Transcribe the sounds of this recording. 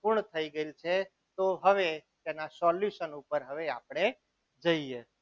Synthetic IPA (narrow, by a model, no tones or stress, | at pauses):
pʊɾɳt̪ʰəiɡəeilt͡ʃʰe | t̪oɦəʋet̪enasɔljuʃənupəɾɦəʋeapɳ̃e | d͡ʒəie